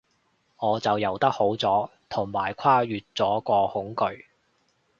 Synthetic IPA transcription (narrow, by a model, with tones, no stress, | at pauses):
ŋɔː˨˧t͡sɐ˨wjɐ˨˩wt̪ɐ˥k̚ho˨˥wt͡sɔː˨˥t̪ʰʊ˨˩ŋmaː˨˩jkʷʰwaː˥jyː˨t̚t͡sɔː˨˥kɔː˧hʊ˨˥ŋkɵ˧ɥ